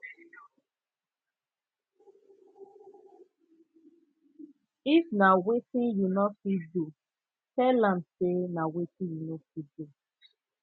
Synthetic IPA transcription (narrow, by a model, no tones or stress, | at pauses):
ifnawetĩnjunɔfidu | tɛlãmsenawetĩnjunofidu